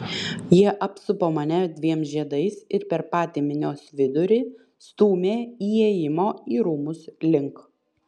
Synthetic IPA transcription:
jiɛʔɐpsʊpoːmɐnʲɛd̪ʲʋʲiɛmsʒʲiɛd̪ɐɪsɪɾpʲɛɾpɑːt̪ʲeːmʲɪnʲoːsʋʲɪd̪ʊɾʲɪ | st̪uːmʲeːiːjeːjɪmoːiːɾuːmʊslʲɪŋk

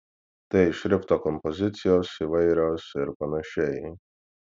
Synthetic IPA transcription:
t̪ɐɪɪʃɾʲɪpt̪oːkɔmpɔzʲɪt̪sʲɪjoːsiːʋɐɪɾʲoːsɪɾpɐnɐʃʲɛɪ

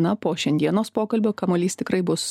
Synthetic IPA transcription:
nɐpoːʃʲɛnʲd̪ʲiɛnoːspoːkɐlʲbʲoːkɐmoːlʲiːst̪ʲɪkɾɐɪbʊs

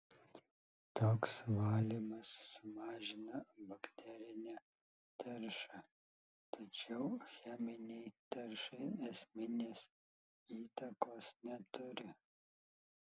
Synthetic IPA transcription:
t̪oːksʋɑːlʲiːmɐsːʊmɑːʒʲɪnɐbɐkt̪ʲɛɾʲɪnʲæː | t̪ɐɾʃɐ | t̪ɐt͡ʃʲɛʊxʲɛmʲɪnʲɛɪt̪ɐɾʃɐɪɛsʲmʲɪnʲeːs | iːt̪ɐkoːsnʲɛt̪ʊɾʲɪ

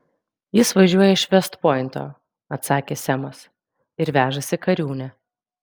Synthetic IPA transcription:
jɪsʋɐʒʲuɔjɛɪʃʋʲɛst̪poːjɪnt̪o̰ː | ɐt̪sɑːkʲeːsʲɛmɐs | ɪɾʋʲæːʒɐsʲɪkɐɾʲuːnʲɛ

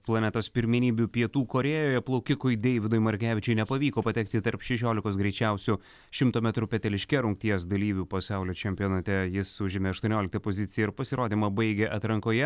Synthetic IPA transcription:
plˠɐnʲɛt̪oːspʲɪɾʲmʲɪnʲiːbʲupʲiɛt̪uːkoːɾʲeːjoːjɛplˠɐʊkʲɪkʊɪd̪ʲɛɪʋʲɪd̪ojmɐɾʲkʲæːʋʲɪt͡ʃʲʊɪnʲɛpɐʋʲiːkoːpɐt̪ʲɛk̚t̪ʲɪt̪ɐɾpʃʲɛʃʲoːlʲɪkoːsɡɾʲɛɪt͡ʃʲɛˑʊsʲu | ʃʲɪmt̪oːmʲɛt̪ɾʊpʲɛt̪ʲɛlʲɪʃʲkʲɛɾʊŋk̚t̪ʲiɛs̬d̪ɐlʲiːʋʲuːpɐsɑˑʊlʲoːt͡ʃʲɛmʲpʲɪjoːnɐt̪ʲɛjɪsʊʒʲɪmʲeːɐʃt̪uɔnʲoːlʲɪk̚t̪ɐpoːzʲɪt̪sʲɪjɛɪɾpɐsʲɪɾoːd̪ʲiːmɐbɐɪɡʲɛʔɐt̪ɾɐŋkoːjɛ

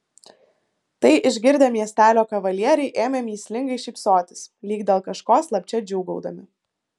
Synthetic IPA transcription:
t̪ɐɪʔɪʒʲɡʲɪɾʲd̪ʲemʲiɛsʲt̪ʲæːlʲoːkɐʋɐlʲiɛɾʲɛɪʔeːmʲemʲiːsʲlʲɪŋɡɐɪʃʲiːpsoːt̪ʲɪ̥slʲiːɡd̪ʲeːlˠkɐʃkoːslˠɐpʲt͡ʃʲɛd͡ʒʲuʊɡɐʊd̪ɐmʲɪ

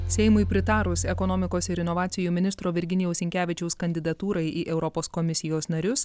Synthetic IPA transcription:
sʲɛɪmʊɪpʲɾʲɪt̪ɑːɾʊsɛkɔnɔːmʲɪkoːsɪɾɪnɔʋɑːt̪sʲɪjuːmʲɪnʲɪst̪ɾoːʋʲɪɾʲɡʲɪnʲɪjɛʊsʲɪŋʲkʲæːʋʲɪt͡ʃʲɛʊskɐnʲd̪ʲɪd̪ɐt̪uːɾɐɪiːʔɛʊɾɔpoːskɔmʲɪsʲɪjoːsnɐɾʲʊs

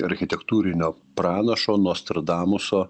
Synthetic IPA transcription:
ɐɾʲxʲɪt̪ʲɛkt̪uːɾʲɪnʲoːpɾɑːnɐʃoːnoːsʲt̪ʲɐɾd̪ɑːmʊsoː

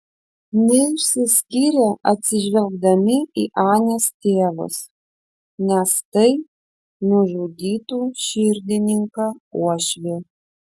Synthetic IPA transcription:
nʲɛɪʃʲsʲɪsʲkʲiːɾʲɛɐt̪ʲsʲɪʒʲʋʲɛlʲɡd̪ɐmʲɪiːʔɑːnʲest̪ʲeːʋʊ̰s | nʲɛst̪ɐɪ | nʊʒʊd̪ʲiːt̪uːʃʲɪɾʲd̪ʲɪnʲɪŋkɑuɔʃʲʋʲeː

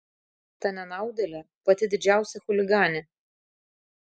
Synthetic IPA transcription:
t̪ɐnʲɛnɑˑʊd̪ʲɛlʲɛ | pɐt̪ʲɪd̪ʲɪd͡ʒʲæˑʊsʲɛxʊlʲɪɡɑːnʲe

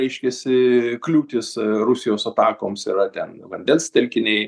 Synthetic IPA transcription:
ɛɪʃʲkʲɛsʲɪklʲuːt̪ʲɪsrʊsʲɪjoːsɐt̪ɑːkoːmsiɾɐt̪ʲɛnʋɐnʲd̪ʲɛnst̪ʲɛlʲkʲɪnʲɛɪ

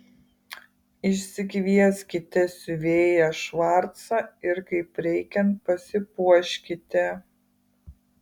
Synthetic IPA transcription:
ɪʃʲsʲɪkʲʋʲiɛskʲɪt̪ʲɛsʲʊʋʲeːjɛʃʋɑˑɾt̪sɑɪɾkɐɪpɾʲɛɪkʲɛnt̪̚pɐsʲɪpuɔʃʲkʲɪt̪ʲɛ

